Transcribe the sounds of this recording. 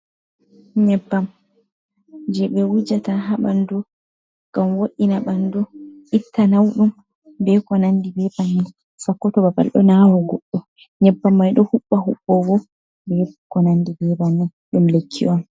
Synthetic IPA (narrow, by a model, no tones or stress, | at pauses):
ɲɛbːam | d͡ʒɛɓɛwud͡ʒataɦaɓandu | ɡ̥amwoʔinaɓandɔʔitːanawɗum | bɛkɔnanːdibɛbanːɛ | sakːɔtɔbaba̰lɗɔ̰nawɔɡɔɗːɔ | ɲɛbːamːajɗɔhuɓːahuɓːɔwɔ | bɛkɔnandibɛbanːɛ | ɗumlekʰːḭʔɔm